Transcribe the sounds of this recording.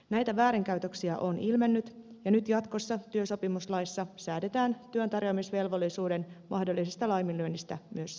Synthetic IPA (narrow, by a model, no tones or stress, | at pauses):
næjt̪æʋæːɾiŋkæɥt̪øksiæʔonilme̞nːyt̪jɑnyt̪jɑt̪ko̞sːɑt̪yøso̞pimuslɑjsːɑsæːde̞t̪æːnt̪yønt̪ɑrjomisʋe̞lʋo̞lːˑisuːde̞nmɑhdolːisest̪ɑlɑjmilyønːist̪æmyøs